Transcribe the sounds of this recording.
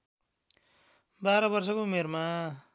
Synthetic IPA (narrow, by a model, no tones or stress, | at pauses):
baɾʌbʌrsʌkoumerma